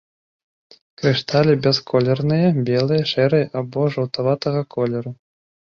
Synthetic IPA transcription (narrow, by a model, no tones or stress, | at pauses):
kɾɨʂt̪alʲibʲɛskʰɔlʲɛrnɨjɐbʲɛlˠɨjɐʂɛɾɨjɐʔabɔʐɐwt̪avat̪ɐɣɐkʰɔlʲɛɾu